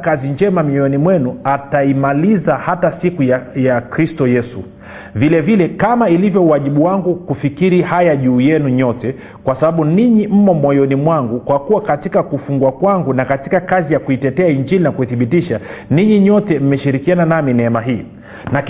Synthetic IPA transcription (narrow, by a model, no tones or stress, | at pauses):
kaziɲd͡ʒɛmamiɔjɔnimwɛnuataimalizahatasikujajakɾistɔjɛsṵ | vilɛvilɛkamailivjɔuwaʄiɓuwaŋɡukufikiɾihajaʄuːjɛnuɲɔtɛ | kwasaɓaɓuniɲim̩mɔmɔjɔnimwaŋɡukwakuwakatikakufuŋɡuwakwaŋɡunakati̥kakazijakuitɛtɛaiɲd͡ʒilinakuiθiɓitiʃaniɲiɲɔtɛm̩mɛʃiɾikiananaminɛɛmaɦiː | na